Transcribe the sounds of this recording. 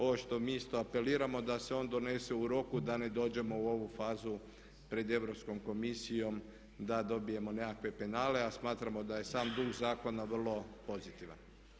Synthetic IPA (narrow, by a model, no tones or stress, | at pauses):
o̞ʋo̞ʃt̪o̞miːist̪o̞ape̞liːɾamo̞d̪ase̞o̞ːnd̪o̞ne̞seuɾo̞kud̪ane̞d̪o̞ːd͡ʑe̞mo̞uo̞ʋufaːzu | pɾe̞d̪e̞ʋɾo̞psko̞mko̞misijo̞m | d̪ad̪o̞bije̞mo̞ne̞kakʋe̞pe̞naːle̞asmaːt̪ɾamo̞d̪aje̞saːmd̪uɡzaːko̞naʋr̩lˠo̞po̞zit̪iʋa̰n